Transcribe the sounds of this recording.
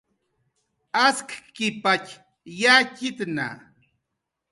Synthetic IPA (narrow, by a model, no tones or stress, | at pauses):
askḁkɪpat͡ʃ | jakɪt̪na̰